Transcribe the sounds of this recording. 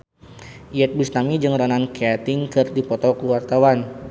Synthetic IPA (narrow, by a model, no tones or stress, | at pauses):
iɛt̪̚busnamid͡ʒəŋɾɔnankeat̪ɪŋkɨrdipɔt̪ɔkəluwart̪awan